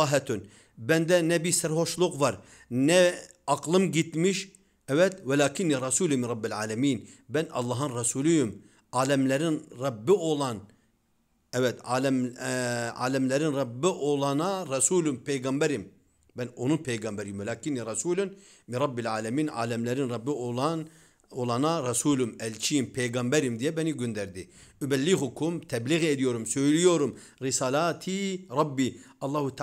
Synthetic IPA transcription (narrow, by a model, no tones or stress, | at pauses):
ɦɛt̪ʰun | bænd̪ɛnɛbisæɾho̞ʃlˠuqvɑɾ | nɛ | ɑqlˠɯmɟit̪miʃ | ɛvɛt̪wɛlʲaːkʰinːiɾˤɑsuːlʲuminɾˤɑbːilʲʕaːlɛmiːnbænɑ̰lˠːɑːɦɯnɾɑsuːlʲˠujum | ɑːlʲɛmlɛɾinɾɑbːiolˠɑn | ɛvɛt̪al | a̰ːlʲɛmlʲɛɾinɾɑbːiʔolˠɑnaɾɑsuːlʲumpʰejɡɑmbɛɾim | bɛno̞nunpʰejɡɑmbɛɾiimɛlaːkiniɾɑsuːlʲyn | miɾɑbːilʲaːlʲɛmiːna̰ːlʲɛmlʲɛɾinɾɑbːioan | olˠɑnaɾɑsuːlʲumɛlʲt͡ʃʰijimpʰejɡɑmbɛɾimd̪ijɛbɛniɟønd̪æɾd̪iybælːiɦukʰumt̪ʰɛbliɣed̪ijo̞ɾumsø̞jlʲijo̞ɾum | ɾisaːlaːt̪ʰiɾˤɑbːi | ɑlˠːɑːhut̪ʰ